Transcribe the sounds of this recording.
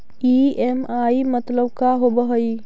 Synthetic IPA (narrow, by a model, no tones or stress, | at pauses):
iemaːimət̪ləbkaɦobəɦəi